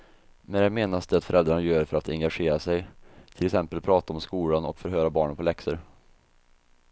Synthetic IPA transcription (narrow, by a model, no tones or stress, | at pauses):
mɛnjameːnasd̪ɛat̪fœɾɛld̪ɾaɳajœːɾfœɾat̪ɛŋɡaɧeːɾasɛjt̪ʰɪlɛksɛmpəlpʰɾɑːt̪aɔmskuːlanɔ̰kfœɾɦøːɾabɑːɳənpʰɔlɛksəɾ